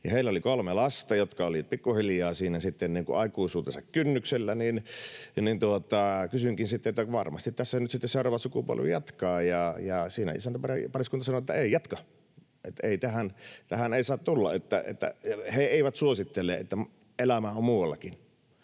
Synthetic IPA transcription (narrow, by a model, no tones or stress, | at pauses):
jɑheˑilæolikolmelɑst̪ɑjot̪kɑolipikːuhiljɑːsiːnæsit̪ːenniːŋkṵʔɑˑikuisuːt̪esɑkkynːykselːæninnint̪uot̪ɑkysyŋkinsit̪ːeʔot̪ːækʋɑrmɑ̰st̪it̪t̪æsːænyt̪sit̪ːeseˑorɑːʋɑsukupṵo̰lʋḭjɑt̪kɑːjɑjɑsiːnæ̰ḭsænt̪æpɑrpɑriskunt̪ɑsɑnoet̪ːæeˑijɑt̪kɑ | ʔet̪ːæeˑit̪æhænt̪æhæneˑisɑːt̪t̪ulːɑ̰et̪ːæ̰ḛt̪ːæ̰heeˑiʋæt̪suosit̪ːelːˑḛːʔḛt̪ːæ | ʔelæmæommuːwɑlːɑkin